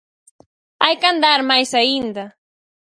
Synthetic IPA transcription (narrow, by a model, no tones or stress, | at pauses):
ajkand̪aɾmajsaind̪a